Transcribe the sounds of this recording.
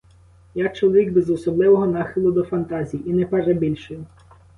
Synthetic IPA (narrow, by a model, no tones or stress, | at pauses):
jak̚t͡ʃɔlˠɔʋʲiɡbezɔsɔblˠɪʋɔɦɔnɑxɪlˠʊd̪ɔfɐnt̪ɑzʲijinɛpɛrɛbʲilʲʃejʊ